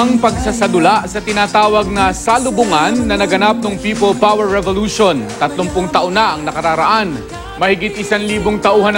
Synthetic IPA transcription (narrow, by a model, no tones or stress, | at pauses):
ɐŋpɐɡsasɐd̪ʊlaʔsɐt̪ɪnaːt̪aːwɐɡ̚nɐsalʊbʊŋanːɐnɐɡɐnap̚noŋpiːpolpawɛɹːɛvoluʃont̪ɐt̪lʊŋpʊŋt̪ɐʔonaʔɐŋnɐkɐɾaːɾɐʔan | mɐhɪɡɪt̪̚ʔɪsanliːboŋt̪ɐʔuːhɐn